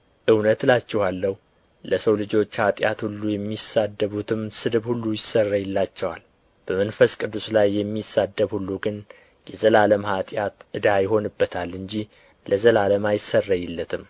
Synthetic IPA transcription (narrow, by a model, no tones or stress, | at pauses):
ʔɨwnət̪lat͡ʃːɛhalːəhu | ləsəwlɨd͡ʒo̞t͡ʃːhat̪ʼjat̪hulːujɛmːisad̪ːəβut̪ʰɨmsɨd̪ɨbhulːujɪsərːajɛlːat͡ʃːɛwal | b̥əmənfəskʼɨd̪ːuslajːɛmːisad̪ːəβhulːuɡɨn | jɛzəlaləmhat̪ʼjat̪ʔɨd̪ajɪho̞nɨbːət̪ʰalːɨɲd͡ʒi | lʔəzəlaləmajɪsərːajɛlːət̪ʰɨm